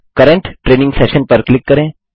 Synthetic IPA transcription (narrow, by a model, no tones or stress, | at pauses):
kəɾəɳʈʈɾenĩŋɡsɛɕənpəɾklikːəɾẽ